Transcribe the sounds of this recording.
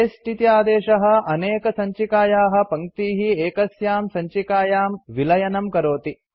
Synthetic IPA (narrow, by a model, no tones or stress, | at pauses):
esʈit̪ijaːd̪eːʃɐɦɐ̆ɐneːkɐsɐɲt͡ʃikaːjaːɦɐ̆pɐŋt̪iːɦieːkɐsjaːmsɐɲt͡ʃikaːjaːmʋilɐjɐnɐmkɐɾoːt̪i